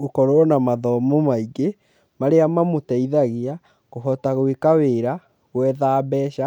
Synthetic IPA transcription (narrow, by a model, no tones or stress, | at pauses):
okɔɾonamaðɔmomaiɡe | maɾeamamotɛiðaɣea | ɣoɦɔtaɣoekaweɾa | ɣwɛːðaːbɛʃa